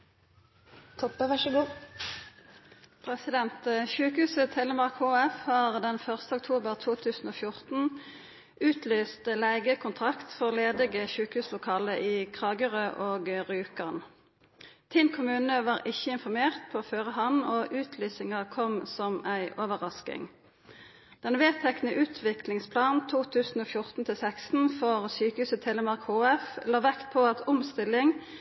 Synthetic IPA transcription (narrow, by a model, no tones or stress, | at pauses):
t̪ʰɔpːəʋæʃəɡuː | pʰʁɛsɪd̪ɛnt̪ʃʉːkhʉːsət̪ʰɛləmɑʁkhuːæfhɑːʁd̪ɛnfœʁst̪əʊk̚t̪ʰuːbəʁt̪ʰuːt̪ʰʉːsn̩oːfjʊʁt̪n̩ | ʉːt̪lyːst̪læɪɡəkʰʊnt̪ʰʁɑkt̪fɔʁleːd̪ɪɡəʃʉːkhʉːslʊkʰɑːləʔiːkʰʁɑːɡəʁøːʔoːɡʁʉːkəʁn | t̪ʰɪnkʰʊmʉːnəʋɑːʁʔɪçːəɪnfɔʁmeːʁt̪̚pʰoːføːʁəɦɑnoːʔʉːt̪ʰlyːsɪŋəʁkʰɔmsɔmæɪʔɔːʋəʁɑskɪ̰ŋ | d̪̥ɛnʋeːt̪ʰɛknəʔʉːt̪ʰʋɪklɪŋspʰlɑːnn̩t̪ʰuːt̪ʰʉːsn̩oːfjʊʁt̪n̩t̪ʰɪlsækst̪n̩fɔʁsyːkəhʉːsət̪ʰeːləmɑʁkhoːɛfloːʋækt̪̚pʰoːɑt̪ʰʊmst̪ɪlɪŋ